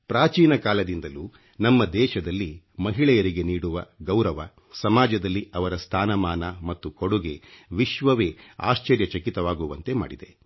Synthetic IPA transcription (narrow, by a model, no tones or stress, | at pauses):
pɾaːt͡ʃiːnɐkaːlɐd̪ind̪ɐluː | nɐmːɐd̪ɛːʃɐd̪ɐlːi | mɐɦiɭɛjɐɾiɡe̞niːɽuʋɐɡɐwɾɐʋɐ | sɐmaːd͡ʒɐd̪ɐlːiɐʋɐɾɐst̪ʰaːnɐmaːnɐmɐt̪ːukoɽuɡe̞ʋiʃʋɐʋe̞ːa̰ːst͡ʃɐɾjɐt͡ʃɐkit̪ɐʋaːɡuʋɐnt̪e̞ma̰ːɽid̪e̞